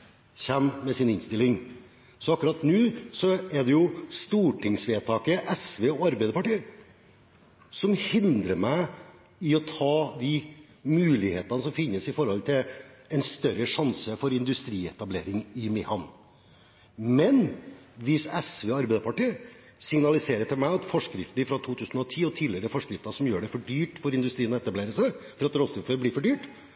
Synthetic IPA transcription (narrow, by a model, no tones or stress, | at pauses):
çɛmmɛsɪnɪnst̪ɪlɪŋ | sɔɑkːɾɑːt̪nʉːsɔɛɖɛjʊst̪uːʈʰɪŋsʋeːt̪ʰɑːkəʔɛsʋeːɔɑɾbæɪd̪əpʰɑʈiːə | sɔmhɪnd̪ɾəmæɪ | ɪɔt̪ʰɑːd̪ɪ | mʉːlɪheːt̪ənəsɔmfɪnːəsɪfɔɾhɔlt̪ʰɪlɛnst̪œɾəʂɑnsəfɔɾɪnd̪ʉst̪ɾiːɛt̪ɑbleːɾɪŋɪmɪhɑn | mɛnʋɪsɛsʋeːɑɾbæɪd̪əpɑʈiːə | sɪŋnɑlɪseːɾət̪ʰɪlmæɪɑt̪fɔʂkɾɪft̪nɪfɾɑt̪ʰuːt̪ʰʉːsn̩ɔt̪ʰiːɔt̪ʰiːd̪lɪəɾɛfɔʂkɾɪft̪ɑsɔmjøːɖɛfɔɖyːʈfɔɾɪnd̪ʉst̪ɾiːənɔɛt̪ɑbleːɾəsæɪfɔɾɑt̪ɾɔst̪ɾuføɾbliːfɔɖyːʈ